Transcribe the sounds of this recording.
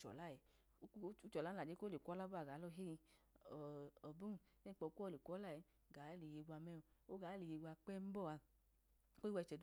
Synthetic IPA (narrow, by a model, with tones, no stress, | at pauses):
t͡ʃɔ̰˨la˦˨ɛ˨˧˦ | u˦t͡ʃɔ˨la˦la˨d͡ʒe˦ko˦le˨kʷɔ˦la˦bu˦a˨ɡa˨˦lɔ˦˧ɦe˦i˧˨ | ɔ˨bu˦˨ | ne˦k͡pɔ˧˨˧kʷːle˨kʷɔ˦la˦˨i˨˧ | ɡa˨˦le˨je˧ɡʷa˧mɛ˦ɔ˧˨o˦ɡa˨˦le˨je˧ɡʷa˧k͡pɛ˦m̩˦bɔ˦˨a˧ | ko˦i˦wɛ˧˨t͡ʃɛ˨d